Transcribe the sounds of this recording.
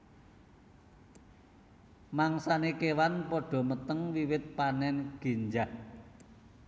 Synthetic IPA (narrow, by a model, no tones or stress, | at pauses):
maŋsanekewanpɔɖ̥ɔ̤mət̪əŋwiwɪt̪̚panɛnɡ̥e̤ɲd͡ʒah